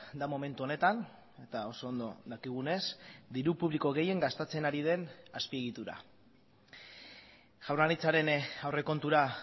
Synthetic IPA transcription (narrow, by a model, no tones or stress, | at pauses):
d̪amo̞me̞nt̪uone̞t̪an | e̞t̪ao̞so̞ːnd̪o̞ðakiɣ̞une̞sd̪iɾupuβliko̞ɣ̞e̞je̞ŋɡast̪et͡se̞naɾið̞e̞naspie̞ɣ̞it̪uɾa̰ | ʝ̥awraɾit͡saɾe̞nawre̞ko̞nt̪uɾa